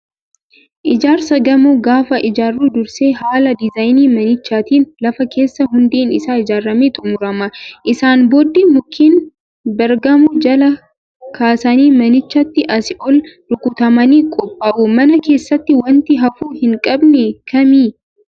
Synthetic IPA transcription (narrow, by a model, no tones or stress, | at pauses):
ʔɪd͡ʒaːɾsɐɡɐmʊɡaːfɐʔɪd͡ʒaːrːuːd̪ʊɾseːhaːlɐd̪ɪzajniːmɐnɪt͡ʃːaːt̪iːnlɐfɐke̞ːsːɐɦʊnd̪iːnɪsaːɪd͡ʒaːrːɐmeːt̪ʼʊmʊɾɐmɐʔɪsaːnboːd̪ːimʊkʰːiːn | bɐɾɡɐmʊd͡ʒɐlɐ | kʰaːsɐniːmɐnɪt͡ʃːɐt̪ːɪʔɐsɪʔɔld̪̥ʊkʊt̪ɐmɐniːkʼɔpʼːaːʔumɐnɐke̞ːsːɐt̪ːɪwɐnt̪ɪɦɐfuːhɪŋkʼɐbnɛkʰɐmiː